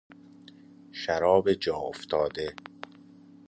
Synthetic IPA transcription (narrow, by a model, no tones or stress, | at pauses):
ʃæɾɒːbed͡ʒɒːoft̪ʰɒːd̪e̞